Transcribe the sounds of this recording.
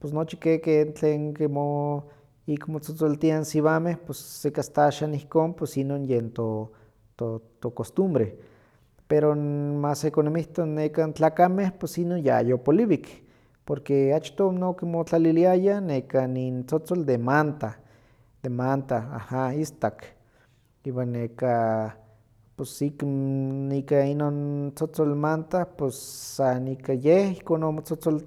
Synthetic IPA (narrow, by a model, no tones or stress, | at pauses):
posnot͡ʃi̥kekent͡ɬeːŋkimo | ikmot͡sot͡solt̪iansiβamehpesːekast̪aaʃanihkoːnpwesinonjent̪o | t̪ot̪okost̪umbɾe | peɾomasekonomiht̪onːekant͡ɬaːkamehpesinonja̰jopoliβik | poɾkeat͡ʃt̪onokimot͡ɬaliliajanekanint͡sot͡sold̪emant̪a | d̪̥emant̪aa̰haist̪ak | iwanːeka | posiknikainont͡sot͡solmant̪aposːanikajehihkonomot͡sot͡sol